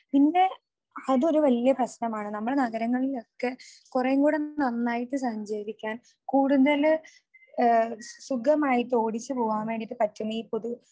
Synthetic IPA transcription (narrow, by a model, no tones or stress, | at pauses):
pinːe̞ | ɐðo̞ɾuʋɐlijɐprɐɕnɐmaːɳɨnɐmːɐɽenɐɣɐɾɐŋːɐɭilo̞kːe̞ | kureŋɡuːɽenɐnːaːjiʈːɨsɐɲd͡ʑɐʋikʲːaːn | kuːɽuðɐl | suɡɐmaːjit̪o̞ːɽit͡ɕːɨpoːʋaːmeːɽiʈːɨpɐtːunːɐiːpoðu